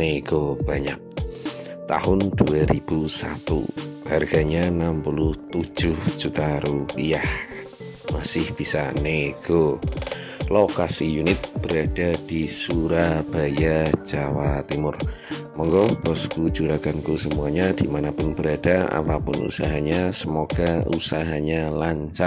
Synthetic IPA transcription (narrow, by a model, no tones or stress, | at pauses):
neɡ̥ob̥aɲak̚ | t̪a̰ɦʊnduaɾib̥usat̪ṵharɡ̥aɲanampulʊht̪u̥d͡ʒʊhd͡ʒ̥ut̪aɾupiah | masɪhb̥isaneɡ̥o | lokasijunɪt̪̚b̥əɾad̥ad̥isuɾab̥ajad͡ʒawat̪imʊr | mɔŋɡɔbɔskud͡ʒuɾaɡankusəmuaɲadimanapʊnbəɾadaa̰papʊnṵsaɦaɲasəmoɡ̥ausaɦaɲalaɲt͡ʃa